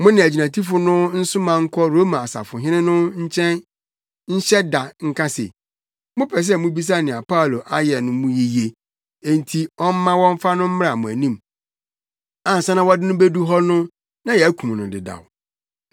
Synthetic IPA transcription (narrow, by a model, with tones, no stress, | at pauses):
mʊ̃˦nɪ̃˨æ˨d͡ʑi˨nã˨tʰi˦fʊ˨nʊ̃˦n̩˦sʊ˦mã˨ŋ̩˦kʰɔ˦ɾo˦mã˨a˨sa̰˨fʊ˨ɦɪ̃˦nɪ̃˦nʊ̃˦ɲ̩˦t͡ɕʰɛ̃˦n | ɲ̩˦ɕɛ˦da˨ŋ̩˦kʰã˦sḛ˨ | mʊ̃˦pʰɛ˨s̬ɛ˦˨mʊ̃˦bi˦s̬a˦nɪ̃˨a˨pʰa˦˨lo˨ʔa˦jɛ˨nʊ̃˨mũ˦ji˦je˨ | e˨n˨tʰi˨ɔ˦m̩˦mã˦wɔ̃˦ɱ̩˦fa˦nʊ̃˦m̩˦m˦a˨mʊ̃˨æ˨nĩ˦˨m | ã˨n̩˨sã˦nã˦wɔ˦dɪ˦nʊ̃˦be˦du˦ɦɔ˦nʊ̃˦ | nã˦jɛ˨æ˦kʰu˨m˨nʊ̃˨dɪ̰˨da̰˨w